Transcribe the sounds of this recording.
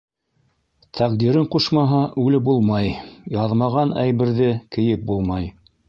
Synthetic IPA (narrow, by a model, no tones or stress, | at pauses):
t̪ʰɑqd̪iɾɘɴquʃmɑɦɑʔʉlɘbulˠmɑjjɑðmɑʁɑnæjβɘ̆ɾðɘkɘ̆jɘp̚bulˠmɑj